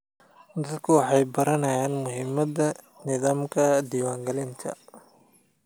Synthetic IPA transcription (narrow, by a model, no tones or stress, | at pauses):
d̪ɐd̪kʰʊwɑħɑjbɐɾɐnɐjaːnmʊɦɪmɐd̪ɐ | nɪðaːmkʰɐd̪iːwaːŋɡɐlɪnt̪ʰɐ̰